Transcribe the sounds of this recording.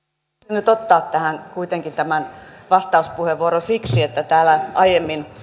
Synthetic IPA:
ynyt̪ot̪ːɑːt̪t̪æhæŋkuit̪eŋkint̪æmænʋɑst̪ɑuspuheʋʋuoɾosiksiet̪ːæt̪æːlæʔɑijemːin

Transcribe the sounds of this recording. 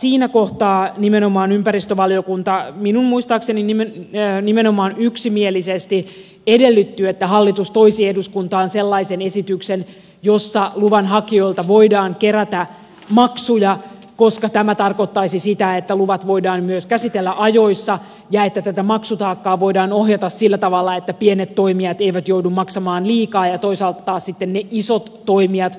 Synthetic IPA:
siːnækoht̪ɑːnimeno̞mɑːnympærist̪øʋɑlio̞kunt̪ɑminunmuist̪ɑːkseninimenimenomɑːnyksimielisest̪i | ede̞lːyt̪ːyet̪ːæɦɑlːit̪ust̪o̞isiːeduskunt̪ɑːnselːɑisene̞sit̪yksen | jo̞sːɑluʋɑnɦɑkio̞ilt̪ɑʋo̞idɑːŋke̞ɾæt̪æ | mɑksujɑ | ko̞skɑt̪æmæt̪ɑrko̞t̪ːɑisisit̪æet̪ːæluʋɑt̪ʋo̞idɑːmmyøskæsit̪elːæʔɑjo̞isːɑ | jɑet̪ːæt̪æt̪æmɑksut̪ɑːkːɑːʋo̞jdɑːno̞ɦjɑt̪ɑssilːæt̪ɑʋɑlːɑet̪ːæpienet̪to̞imiɑt̪eiʋæt̪joudummɑksɑmɑːnliːkɑːjɑt̪o̞isɑlt̪ɑt̪ɑːssit̪ːenneʔisot̪ːo̞imiɑt̪

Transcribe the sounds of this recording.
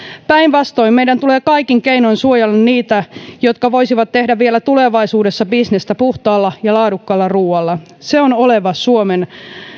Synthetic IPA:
pæinʋɑst̪o̞immejdænt̪uleːkɑikiŋkeinoinsuojɑlːɑnniːt̪æjot̪kɑʋo̞isiʋɑt̪t̪ːe̞hdæʋʋielæt̪uleʋɑisuːdesːɑbisnest̪æpuht̪ɑːlːɑjɑlɑːdukːɑlːɑruːɑlːɑ | seonoleʋɑsuomen

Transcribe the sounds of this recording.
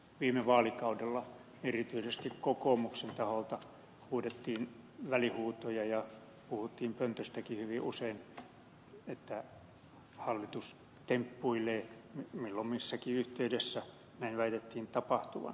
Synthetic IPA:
ʋiːmeʋɑːlikɑudelːɑ | erit̪yisest̪ikkokoːˑmuksent̪ɑholt̪ɑ | huːdet̪ːiːnʋælihuːt̪ojɑjɑ | puhut̪ːiːmpønt̪øst̪ækihyʋiʔusein | et̪ːæ | hɑlːit̪us | t̪empːuileːmimilːommisːækiyht̪eydesːæ | næinʋæit̪et̪ːiːnt̪ɑpɑht̪uʋɑ̰n

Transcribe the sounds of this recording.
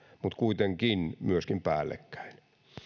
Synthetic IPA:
mut̪kuit̪eŋkinmyøskimpæːlːḛkːæ̥in

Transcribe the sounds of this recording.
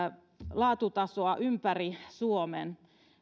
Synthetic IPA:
lɑːt̪ut̪ɑsoɑʔympærisuomḛn

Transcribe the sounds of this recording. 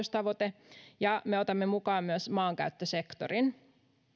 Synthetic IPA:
ust̪ɑʋo̞t̪ejɑme̞o̞t̪ɑmːemukɑːmːyæsmɑːŋkæ̰ɥt̪ːøse̞kt̪o̰rin

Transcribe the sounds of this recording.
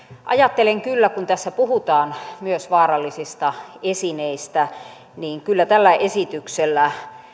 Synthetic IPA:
ʔɑ̰jɑt̪ːeleŋkylːækunt̪æsːæpuhut̪ɑːnmyøsʋɑːrɑlːisist̪ɑesineist̪æ | niːŋkylːæt̪ælːæʔesit̪ykselːæ

